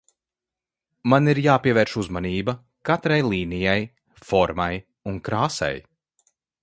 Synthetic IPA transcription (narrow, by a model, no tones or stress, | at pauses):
maniɾjaːpiɛvɛːɾʃuzmaniːbɐ | kat̪ɾajlˠiːnijaj | fɔɾmaj | uŋkɾaːsɛ̰j